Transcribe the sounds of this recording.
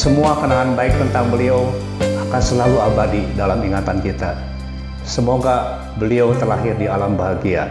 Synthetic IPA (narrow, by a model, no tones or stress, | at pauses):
səmuakənaŋanbaɪk̚t̪ənt̪aŋbəliaw | akansəlaluabadidalamiŋat̪ankit̪a | səmoɡa | bəliawt̪ərlaɦɪrdialambaɦaɡia̰